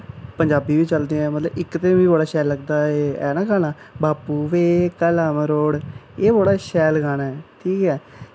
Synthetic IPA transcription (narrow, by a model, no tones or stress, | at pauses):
pəɲd͡ʒaːbiːbiːt͡ʃəld̪eãɛmət̪ləbɪkt̪eiːbəɽaːʃɛːlːəɡd̪aːeɛ̰ːnãːkaːnaː | baːpuːʋeːkəlaːmɾoːɽeːboɽaːʃɛːlɡaːnaːɛːʈʰiːkɛː